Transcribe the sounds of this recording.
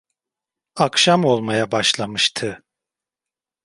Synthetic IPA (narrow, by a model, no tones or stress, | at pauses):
akʃamo̞lˠmajabaʃlˠamɯʃt̪ʰɯ